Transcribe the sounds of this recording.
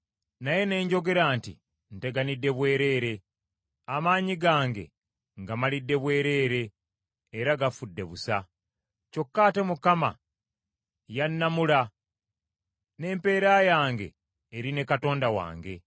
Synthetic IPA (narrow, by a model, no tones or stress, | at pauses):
naje̞ne̞ːɲɟo̞ɡe̞ɾaːntḭ | n̩te̞ɡanidːe̞βwe̞ːɾe̞ːɾe̞ | amaːɲiɡaːŋɡe̞̰ | ŋɡamalidːe̞βwe̞ːɾe̞ːɾeː | ɾaɡafudːe̞βusa | co̞kːaːte̞mukama̰ | janːamula | ne̞ːmpe̞ːɾaːjaːŋɡe̞̰ː | ɾine̞kato̞ːndawa̰ːŋɡe̞̰